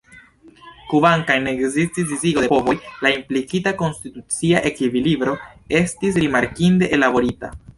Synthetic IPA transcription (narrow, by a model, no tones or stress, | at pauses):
kubaŋkajneːkzistis̬diziɡo̞depo̞vo̞jlaimplikitako̞nstitut͡siaʔe̞kivilibɾo̞e̞stis̬ɾimaɾkinde̞ʔelabo̞ɾita̰